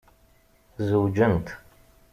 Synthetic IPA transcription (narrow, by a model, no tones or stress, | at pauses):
zəwd͡ʒənt̪ʰ